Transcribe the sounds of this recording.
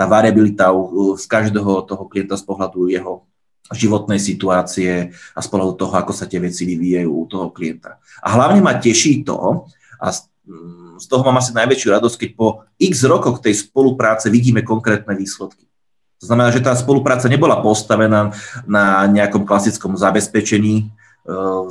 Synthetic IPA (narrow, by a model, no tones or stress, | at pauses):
t̪aːʋaɾɪabilit̪auskaʒd̪ɛːɦɔt̪ɔɦɔklijɛnt̪aspɔɦlad̪ujɛɦɔ | ʒiʋɔt̪nɛjsit̪uaːt͡siɛaspɔɦlad̪ut̪ɔɦɔakɔsat̪ɪɛʋɛt͡siʋiʋiːjajṵːut̪ɔɦɔkliɛnt̪a | ʔa̰ɦlaʊɲɛmacɛʃit̪ɔ̰ | ʔa̰s | st̪ɔɦɔmaːmas̬inajʋɛt͡ʃɪuɾad̪ɔsc̚kɛc̚pɔ | iɡzɾɔkɔxt̪ɛjspɔlupɾaːt͡sɛʋiɟiːmɛkɔŋkɾɛːt̪̚nɛʋiːslɛt̪ki̥ | t̪ɔznamɛnaːʒɛt̪aːspɔlupɾaːt͡saɲɛbɔlapɔst̪aʋɛnaːnaɲɛakɔmklasit͡skɔmzabɛspɛt͡ʃɛɲiː